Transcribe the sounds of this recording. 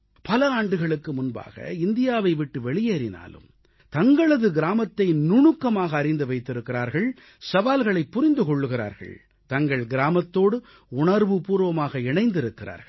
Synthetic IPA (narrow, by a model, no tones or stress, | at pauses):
pɐlɐaːɳɖɯɣɐɭɯkːɯmʊnba̰ːɣɐ̰ɪnd̪ɪjaːʋɐɪʋɪʈːɯʋɛɭɪjeːɾɪna̰ːlɯ̰m | t̪ɐŋɡɐɭɐðɯɡɪɾaːmɐt̪ːɐɪnʊɳɯkːɐmaːɣɐːɾɪnd̪ɯʋɐɪt̪ːɪɾɯkːɪɾaːɾɣɐɭ | sɐʋaːlɣɐɭɐɪpːʊɾɪnd̪ɯkɔɭːɯɣɪɾa̰ːɾɣɐ̰ɭ | t̪ɐŋɡɐɭɡɪɾaːmɐt̪ːoːɽɯ | ʊɳɐɾʋɯpuːɾʋɐmaːɣɐɪɳɐɪnd̪ɪɾɯkːɪra̰ːɾɣɐɭ